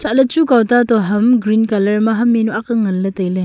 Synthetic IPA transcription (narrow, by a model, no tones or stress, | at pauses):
t͡ʃalɐt͡ʃukawtatɔɦɐmɡɾinkalɐɾmaɦɐmːenuakɯŋɐlːɐtɐjlɯ